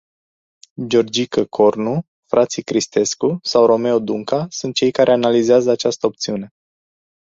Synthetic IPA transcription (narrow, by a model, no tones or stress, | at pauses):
d͡ʒo̞rd͡ʒikəkʰo̞rnu | fɾʔat̪sikɾist̪e̞skusawɾo̞me̞od̪uŋkasunt̪̚t͡ʃe̞jkaɾʔe̞analizeazəat͡ʃast̪əop̚t̪siune̞